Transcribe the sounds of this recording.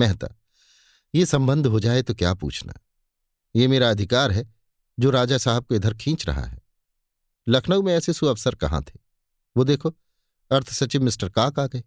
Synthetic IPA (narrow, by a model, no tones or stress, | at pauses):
mɛɦt̪a̰ | jesɐ̃mbə̃nd̪ʱɦod͡ʒaːet̪okja̰ːpṵːt͡ʃʰna̰ː | jemeːɾaɐd̪ʱɪkaːɾɦɛ | d͡ʒoːɾaːd͡ʒasaːɦɪb̚koɪd̪ʱəɾkʰĩːt͡ʃɾɐ̰ɦa̰ɦɛ̰ː | lɐkʰnəwmẽɛːsesuɐʋsəɾkɐ̰ɦã̰t̪ʰe̥ː | ʋoːd̪eːkʰo | ɐɾt̪ʰsɐt͡ʃiʋmɪsʈəɾkaːkaːɡɐe